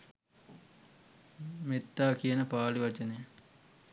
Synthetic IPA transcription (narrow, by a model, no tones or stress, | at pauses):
met̪ːaːkijənəpaːliʋat͡ʃənej